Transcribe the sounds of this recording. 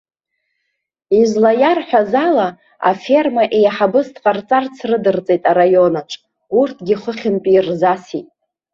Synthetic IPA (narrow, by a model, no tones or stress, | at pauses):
izlajarħʷᶣazala | a̰fe̞rmaʔejaħabɨstʰʼqʼart͡sʼart͡sʰrɨdɨrt͡sʼe̞jtʼaɾajo̞naʈ͡ʂʷʰʼ | urtʰɡʲiχəχʲɪmpʼirzasitʼ